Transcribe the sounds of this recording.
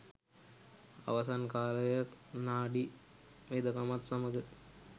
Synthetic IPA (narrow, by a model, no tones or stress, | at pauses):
a̰ʋas̬ankaːləjəknaːɖi | ʋed̪əkamat̪saməɡə